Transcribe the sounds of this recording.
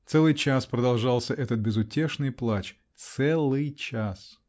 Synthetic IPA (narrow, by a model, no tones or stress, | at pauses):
t̪sɛlˠɨjt͡ɕaspɾəd̪ɐlˠʐɑlˠsʲəʔɛt̪ət̪̚bʲɪzʊtʲe̞ʂnɨjplˠat͡ɕ | t̪sɛlˠɨjt͡ɕas